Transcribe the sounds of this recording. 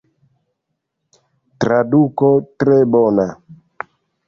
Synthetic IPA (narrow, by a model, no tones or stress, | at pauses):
tɾadukɔtɾɛbɔna